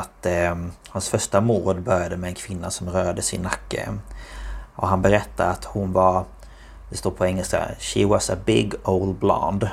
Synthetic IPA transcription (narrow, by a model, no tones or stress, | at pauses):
at̪hansfœʂʈamuːɖbœɾjad̪əmɛːnkʰv̥ɪnːasɔmɾœːɾad̪əsɪnːakːə̰ | ʔɔɦanbɛɾɛt̪ːaɾat̪hʊnvaɾ | d̪ɛst̪uːɾpʰɔɛŋːɛlska̰ʃiwɑsəbɪɡoʊld̪̚blɑ̰nd̪